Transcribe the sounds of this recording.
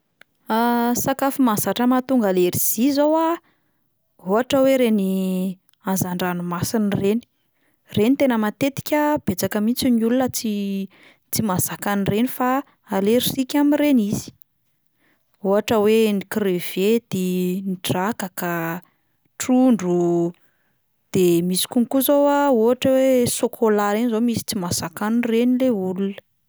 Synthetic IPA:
asakafimasaʈ͡ʂəmat̪uŋɡaleɾiz̥izowa | ɦoɦaʈ͡ʂəweɾeni | anzaɳɖ͡ʐanumasinireni̥ | renit̪enəmat̪et̪i̥kʲəb̥et͡sakəmit͡siniulunət͡si | t͡simaz̥akanirenifa | aleɾisikʲamireniz̥i̥ | oɦaʈ͡ʂəwenikrev̥ed̪̥iniʈ͡ʂakaka | ʈ͡ʂuɳɖ͡ʐu | d̪̥emisi̥kuŋikuzowaoɦaʈ͡ʂəwesokʰolaɾenizomisi̥t͡simasakanrenileulun

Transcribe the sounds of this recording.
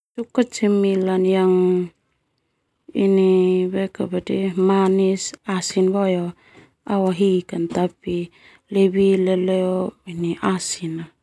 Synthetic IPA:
sukat͡ʃimilanjaŋ | ḭnibekabadimanisasinbɔjɔ | awaɦikant̪api | lebileleoiniʔasina

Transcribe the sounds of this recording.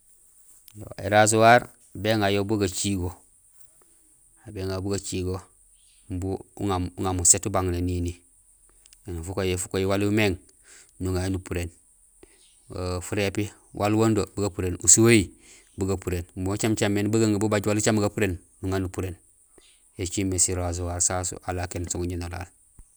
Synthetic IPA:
jo̰ḛɾas̬uwaɾ | beŋajobuɡat͡ʃiɡo | abeŋabuɡat͡ʃiɡo | mbuuŋauŋamusetubaŋnenini | enufukojefu̥kojiwalumeŋ | nuŋanupuɾen | fuɾepi | wʔalwondobuɡapuɾenusuoi | buɡapuɾenbot͡ʃamt͡ʃamːenbaɡaŋbubaɟwalut͡ʃamuɡapuɾen | nuŋanupuɾen | et͡ʃimːesiɾas̬owasasṵʔalakensuŋuɲenola̰l

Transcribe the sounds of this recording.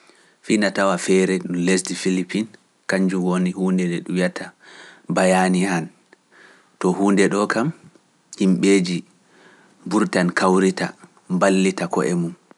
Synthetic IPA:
finatawafɛɾɛɗunlesdifilipʰːin | kaɲd͡ʒumwonihuːndɛdɛɗujatʰabajanihan | tɔhuːndɛɗɔkʰam | himɓeːd͡ʒi | buɾtankawɾita̰ | mbalːitakɔ̰ʔɛmum

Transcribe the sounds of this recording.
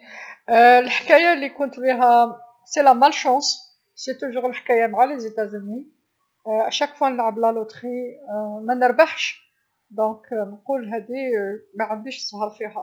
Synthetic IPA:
lħkæjalːikʊnt̪biɦæ | selæmælʃɑ̃s | set̪uʒuɣəlħkæjamʕalezit̪æzənːi | aʃækfwænəʕəblælut̪χimænəɾbaħʃ | d̪ɔ̃knəqulɦæd̪imæʕənd̪iʃsˤhəɾˤfihæ

